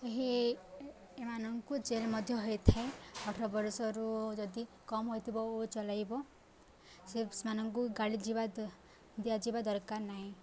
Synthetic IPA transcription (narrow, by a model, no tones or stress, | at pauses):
eɦi | emanɔŋkud͡ʒelmɔd̪ʱjɔɦojt̪ʰaeɔʈʰɾɔbɔɾsɔɾud͡ʒɔd̪i | kɔmɦojt̪ʰibɔot͡ʃɔlajbɔ | sesmanɔŋkuɡaɭid͡ʒiba | d̪iad͡ʒibad̪ɔɾkaɾnaɦĩ